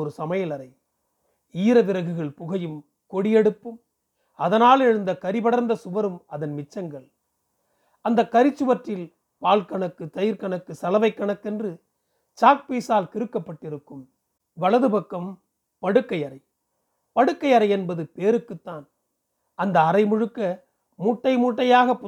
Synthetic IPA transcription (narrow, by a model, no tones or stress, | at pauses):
ɔɾɯsɐmɐjɐlɐɾɐɪ | iːɾɐʋɪɾɐɣɯɣɐɭpʊɣɐjɯm | kɔɽɪjɛɽɯpːɯm | ɐðɐnaːlɛɻɯnd̪ɐkɐɾɪbɐɽɐɾnd̪ɐsʊʋɐɾɯmɐðɐnmɪt͡ʃːɐŋɡɐɭ | ɐnd̪ɐkːɐɾɪt͡ʃːɯʋɐʈrɪl | paːlkɐɳɐkːɯt̪ɐjɪɾkɐɳɐkːɯsɐlɐʋɐɪkːɐɳɐkːɛndrɯ | t͡ʃaːk̚piːsaːlkɪɾɯkːɐpːɐʈːɪɾɯkːɯm | ʋɐɭɐðɯpɐkːɐm | pɐɽɯkːɐɪɐɾɐɪ | pɐɽɯkːɐɪɐɾɐɪɛnbɐðɯpeːɾɯkːɯt̪ːaːn | ɐnd̪ɐːɾɐɪmʊɻɯkːɐ | muːʈːɐɪmuːʈːɐjaːɣɐpː